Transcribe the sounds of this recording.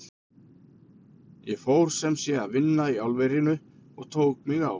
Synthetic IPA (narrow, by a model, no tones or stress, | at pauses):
jɛfowɾ̥sɛmsjɛaðvɪnːaiawlvejɾɪnʏ | ɔɣt̪ʰoːwkmɪɣa̰w